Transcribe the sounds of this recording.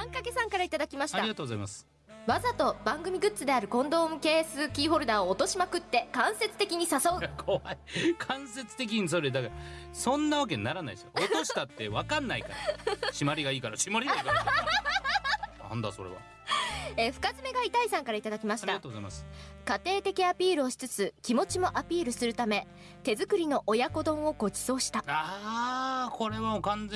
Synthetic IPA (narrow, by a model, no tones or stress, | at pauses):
ãŋkake̞sãŋkaɾait̪ad̪akʲimaɕi̥aɾtaiɡat̪oːɡozaimasɨ̥ | βazat̪o̞bãŋɡɯ̟mʲiɡɯ̟t͡sɨd̪e̞aɾɯ̟kõ̞nd̪o̞ːmɯ̟ke̞ːsɨkʲiːɦo̞ɾɯ̟d̪aoːt̪o̞ɕimakɯ̟t̪ːe̞kãɰ̃se̞t͡sɨ̥t̪e̞kʲiɲ̟isaso̞ɯ̟kʰoaikʰãɰ̃se̞t͡sɨ̥t̪e̞k̬ʲiɲis̬oɾed̪aka | sõ̞nːaβak̬enaɾana̰id̪soʔooɕit̪at̪ːe̞βakãnːaika̰ɾaɕimaɾʲiɡaiːkaɾaɕimaɾʲinak | nã̰nd̪a̰so̞̰ɾeβa̰ | eɸɯ̟̥kat͡sɨme̞ɡait̪aisãŋkaɾait̪ad̪akʲimaɕi̥aɾt̪aat̪ozaimasɨ̥kat̪e̞ːt̪e̞kʲiapʲiːɾɯ̟o̞ɕi̥t͡sɨt͡sɨkʲimo̞t͡ɕimo̞ʔapʲiːɾɯ̟sɨɾɯ̟t̪ame̞ | t̪e̞zɨkɯ̟ɾʲino̞ʔojako̞d̪õ̞ɰ̃o̞ɡo̞d͡ʑi̥so̞ːɕi̥t̪aa | kʰo̞ɾe̞βamokãnd͡ze